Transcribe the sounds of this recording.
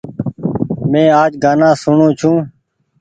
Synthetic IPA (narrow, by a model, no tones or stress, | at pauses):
mẽːaːd͡ʒɡaːnãːsʊɳõːt͡ʃʰũː